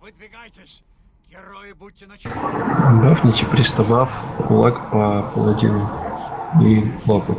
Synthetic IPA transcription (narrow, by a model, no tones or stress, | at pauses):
bafnʲɪtʲɪpɾʲɪst̪ɐvafkʊlˠakpɐpɐlˠɐd̪ʲḭnʊ | ilˠɔpʊ